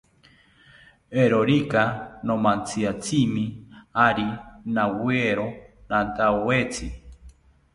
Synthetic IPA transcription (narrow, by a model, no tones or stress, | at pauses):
eɾoɾikanomãnt͡siat͡sʰimĩaɾinaweɾonant̪aowet͡sʰi